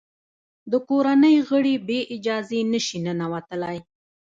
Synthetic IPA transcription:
d̪əkoɾanəjɣəɽibeʔɪd͡ʒɑzenəʃinənawat̪əlaj

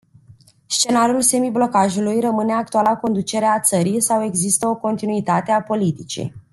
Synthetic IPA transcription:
st͡ʃe̞naɾiulse̞miblo̞kaʒulujrəmɨne̞ak̚t̪ualako̞nd̪ut͡ʃe̞ɾeat̪səɾijsawe̞ɡzist̪əo̞ko̞nt̪inuit̪at̪e̞apo̞lit̪it͡ʃḭ

